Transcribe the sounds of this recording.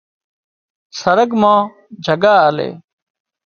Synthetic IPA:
səɾəɡmãː | d͡ʒʱəɡaːaːlḛː

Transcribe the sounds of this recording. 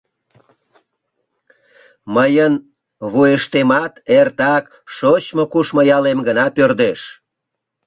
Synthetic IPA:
məjən | βujeʃt̪emɑt̪ert̪ɑk | ʃot͡ɕmokuʃmojɑlemɡənɑpørd̪eʃ

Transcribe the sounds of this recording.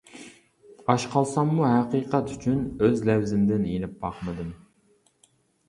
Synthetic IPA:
ɑʃqʰɑlˠsɑmːuɦæqiqʰɑt̪yt͡ʃʰynøzlɛwzɪmd̪ɪnenɪp̚bɑqmɨd̪ɨm

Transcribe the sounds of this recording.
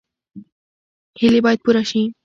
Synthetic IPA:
helibajt̪̚puɾaʃĩ

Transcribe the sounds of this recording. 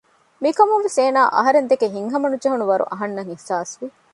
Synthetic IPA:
mikɐmunʋeseːnaːʔɐɦɐɾend̪ekeɦiŋɦɐmɐnud͡ʒeɦunuʋɐɾṵʔɐɦɐnːɐŋehsaːsʋi

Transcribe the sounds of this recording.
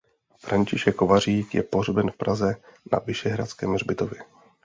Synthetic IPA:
fɾʔaɲt͡ʃɪʃɛkːovar̝iːkjɛ̰po̞rbɛnfpɾazɛna̰vɪʃɛɦɾat͡skɛːmr̝bɪt̪o̞vjɛ

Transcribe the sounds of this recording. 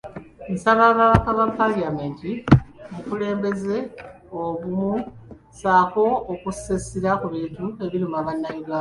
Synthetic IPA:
nisaβaβaβakaβapːaliame̞ːntimukule̞ːmbe̞ze̞ | oβumu | saːko̞ːkusesiɾakuβiːntue̞βiɾumaβanːajuɡaːa

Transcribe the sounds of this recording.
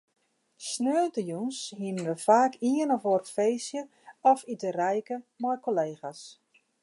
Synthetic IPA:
snøːtəjunshinənʋəfaːkʰiənɔforfejsjə | ɔfitərɛjkəmɔjkoleːxas

